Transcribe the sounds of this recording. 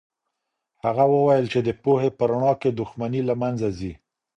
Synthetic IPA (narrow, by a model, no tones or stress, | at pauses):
haɣawəwajəlt͡ʃed̪əpohepəɾaɳɑked̪ʊxmanilamanzazi